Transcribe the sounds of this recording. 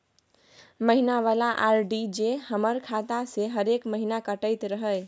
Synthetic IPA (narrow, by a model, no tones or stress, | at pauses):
məɦinaʋalaʔaɾɖid͡ʒehəməɾkʰat̪aseɦəɾekməɦinakəʈəjt̪ɾəɦəj